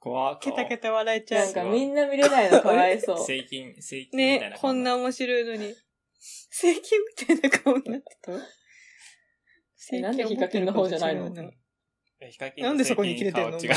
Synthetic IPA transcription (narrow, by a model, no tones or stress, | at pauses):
ket̪aket̪aβaɾaet͡ɕaãŋkamʲĩnːamʲiɾenainokaaiso̞ː | ne̞kʰõ̞nːaomo̞ɕiɾo̞ino̞ɲ̟i | seːkʲĩmːʲi̥t̪ainakʰaõɲ̟inat̪ːe̥t̪o | enãnd̪ekʲːikːakenːoɦo̞ːd͡ʑanainona | nãnd̪e̞so̞ko̞ɲikʲiɾet̪ẽnːoa